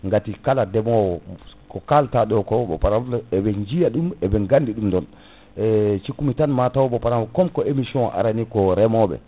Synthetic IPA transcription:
ŋɡatikaladɛmɔwɔkɔkaltaɗɔkɔbɔ̰paɾamlɛbɛnd͡ʒijaɗumɛbɛŋɡandiɗumdɔn | ɛt͡ʃikːumitanmatawɔbɔpaɾamkɔmkɔʔemisiɔ̃nʔa̰ɾanikɔɾɛmɔbɛ̰

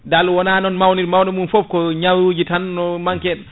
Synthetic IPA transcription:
dalwɔnaːnɔnmawniɾmawnimunfɔf̚kɔɲawud͡ʒitanːɔmaŋkɛɗ

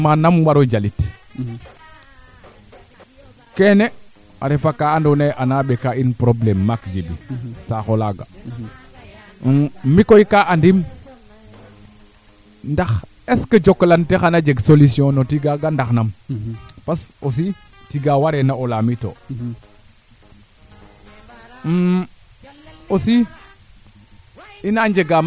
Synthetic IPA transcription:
manamwaɾod͡ʒalit | kene | a̰ɾefakaandoneʔanabekainpɾoblemːakd͡ʒibḭsaxolaɡa̰ | mikojkaʔandim | ndax | esked͡ʒoklantexanad͡ʒeɡsolusiõnotiɡaɡandaxnam | pasos̬i | tiɡawaɾenaolamito̰ | osi | inaɲd͡ʒeɡam

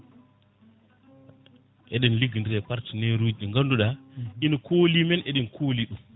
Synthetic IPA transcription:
ʔɛɗɛnliɡindiɾɛpaɾtineɾud͡ʒiŋɡanduɗainkʰolimɛnʔɛɗɛnkʰoliɗum

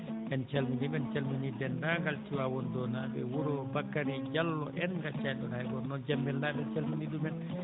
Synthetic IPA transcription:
ɛnt͡ʃɛlmindiɓɛnt͡ʃɛlminidɛndaŋɡaltiwawɔndɔnabɛ̰wuɾɔbakːaɾid͡ʒalːɔʔɛnŋɡat͡ʃajdɔnaɛɡɔnɔd͡ʒamːɛlnaɓɛnt͡ʃɛlminiɗumɛn

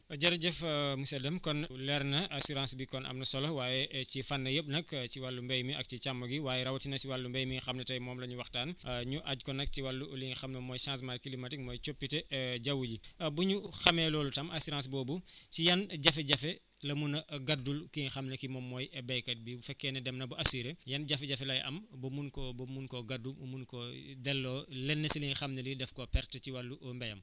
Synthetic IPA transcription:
ɐɟɐɾɐɟɛfmusɛdɐmkɔnlɛɾnɐʔasuɾãnsbikɔnʔɐ̰mnɐsɔlɔwaːjɛcifɐnːɐjəp̚nɐkciwalːumbɛjmiɐk̚cit͡ʃamːɐɡiwaːjɛɾɐwɐtinɐt͡ʃiwalːumbɛjmiŋxɐmnɐtɐjmɔːmlɐɲuwɐxtaːnɲuʔaɟkɔnɐk̚ciwalːuliŋxɐmnɐmɔːjsãːns̬majkilimɐtik̚mɔːjt͡ʃopːitɛɟɐwuɟibuɲuxɐmɛːlɔːlutɐmɐsiɾãːs̬bɔːbusijɐnɟɐfɛɟɐfɛ | lɐmunɐɡɐdulkiɲxɐmnɐkimɔmːɔːjɛbɐjkɐt̚bibufɛkːɛːnɛdɛmnɐbuʔɐsiːɾejɐnɟɐfɛɟɐfɛlɐjʔɐ̰mbɐmunkɔbumunkɔɡɐdːumumunkɔdɛlːɔlɛnːɐsiliɲxɐmnɐlidɛfkɔpɛrtɐciwɐlːuʔmbɐjɐ̰m

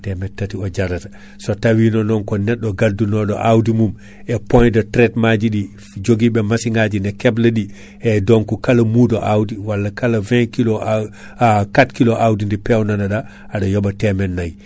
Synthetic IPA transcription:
temetːatioɟaɾat | sotawinonɔŋkonɛɗːoɡaldunoɗo̰ʔawdimum | epõjdotɾetmaɟiɗi | d͡ʒoɡibemasiŋɡaɟinekeblɐɗi | edoŋkukalɐmudoʔawdiwalːakalavɛ̃kilo | katkiloʔawdindipewnanaɗaː | ɗojobatemenːaj

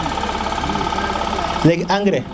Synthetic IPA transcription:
leɡaŋɡɾe

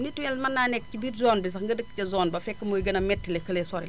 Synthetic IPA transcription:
nitːujɛlmɐnːaːnɛk̚cibitzɔːnbis̬ɐxŋɡɐdəkːcɐzɔːnbɐfɛkːɐmojɡɐnɐmɛtːilɛkəlesɔɾil

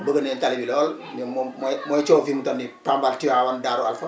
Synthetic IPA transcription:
bəɡənentalibilɔːl | nmmmɔjt͡ʃoːfimutɔnːipambaltiwawandaːɾua̰lfo

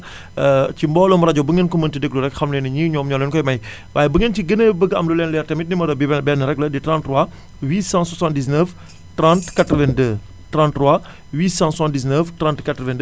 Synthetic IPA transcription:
cimbɔːlɔmuɾɐɟɔbəŋɡənkuməntidək̚luɾɛkxɐmlɛnɐɲiːɲɔːmɲɔːlɛnkɔjmɐj | baːjɛbəŋəntiɡənəːbəɡəɐmlulɛːnlɛɾtɛmit̚nimɐdɐbibɛnbɛːnːəɾɛklɐditɾãntruwa | wiːsãːswasãndis̬nəf | tɾãntkatɾəvɛndə | tɾãntruwa | wiːsãnsandis̬nəftɾãntkɐtɾəvɛndə

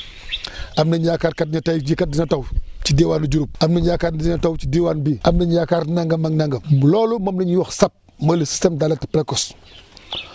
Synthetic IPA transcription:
amnɐɲjakaːɾkat̚ɲatajd͡ʒikat̚dinatawt͡ʃidiwaːnud͡ʒuɾup̚amniɲjakaːinatawt͡ʃidiwanbiʔamnɐɲjakaɾnaŋɡɐmaŋnaŋɡɐlɔːlumɐmniɲwɔxsap̚mɐlisi̥stemdalatipɾekos

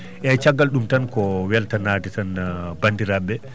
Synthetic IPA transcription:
ʔɛt͡ʃaɡːalɗumtankɔwɛltanaːtɛtanbandiɾabɛ

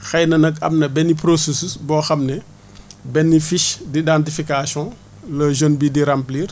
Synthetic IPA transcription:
xɛjnɐnɐkɐ̰mnɐbɛnːipɾosesusbɔxɐmnɛ | bɛnːifiʃdidãntifikasjɔ̃ | lɐʒənbidiɾampliːr

